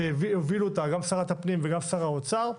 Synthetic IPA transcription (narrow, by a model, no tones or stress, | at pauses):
vieviluot̪aɡamsaʁat̪apnimveɡamsaʁaot͡saʁ